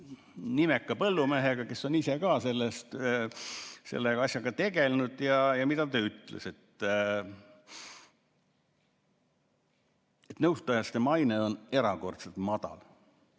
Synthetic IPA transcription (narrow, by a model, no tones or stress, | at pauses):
nimekːɑpɤlːumeɦeɡ̥ɑke̞so̞nise̞kɑːse̞lːest̪ | se̞̰lːeɑsjɑɡ̥ɑt̪e̞ɡe̞lnud̪̥jɑjɑmid̪ɑt̪øːyt̪lḛse̞t̪ː | et̪nɤwst̪ɑjɑst̪e̞mɑjneo̞ne̞ɾɑko̞rt̪set̪mɑd̪̥ɑ̰l